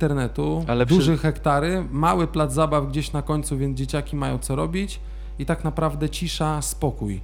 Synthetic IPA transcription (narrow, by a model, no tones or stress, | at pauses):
t̪ɛɾnɛt̪ualɛd̪uʐɛxɛkt̪aɾɘmawɘplad̪zzabafɡd͡ʑeɕnakɔɲt̪suvʲjɛnzd͡ʑet͡ɕakʲimajɔ̃w̃t̪sɔɾɔbʲit͡ɕ | it̪aknapɾavd̪ɛt͡ɕiʂaspɔkuj